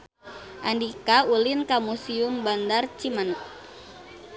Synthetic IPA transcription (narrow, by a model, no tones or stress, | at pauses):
ʔandikaulinkamusiumbandart͡ʃiman̚